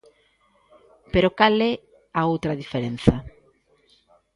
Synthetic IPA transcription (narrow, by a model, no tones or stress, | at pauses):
peɾokalɛ | aowt̪ɾaðifeɾenθa